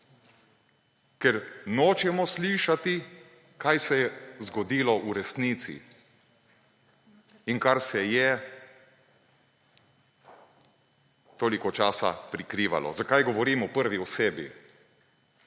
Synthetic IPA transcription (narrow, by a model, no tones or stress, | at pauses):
kɛɾnoːt͡ʃɛmɔsliʃat̪i | kajsɛjɛzɡɔd̪iːlɔʔuɾɛst̪niːt̪sḭ | iŋkaɾsɛjɛ | t̪oːlikɔt͡ʃaːsa̰pɾikɾiːʋa̰lɔ̰zakajɡɔʋɔɾiːmɔpəɾʋiwseːbḭ